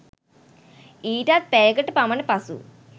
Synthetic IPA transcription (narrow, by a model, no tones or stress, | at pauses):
iːʈaːt̪̚peːkɐʈːɨpɐmɐnɨpɐsṵ